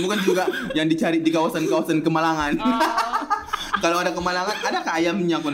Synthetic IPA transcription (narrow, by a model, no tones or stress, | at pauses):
bukand͡ʒuɡajaŋdit͡ʃaɾidikawasankawasankəmalaŋan | kalowadakəmalaŋanadakaːjamɲakun